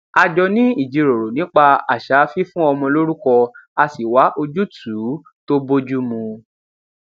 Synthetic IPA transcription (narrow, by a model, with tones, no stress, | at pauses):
a˧d͡ʒɔ˧nĩ˦i˦˨d͡ʒi˨˧ɾo˨ɾo˨nĩ˨˦k͡pa˧a̰˨ʃa˨˦fi˦fũ˦ɔ˧mɔ̃˧lo˦ɾu˦kɔ˧a˧si˨wa˨˦ʔo˧d͡ʒu˦tʰu˨˦ | to˦bo˦d͡ʒu˦mũ˧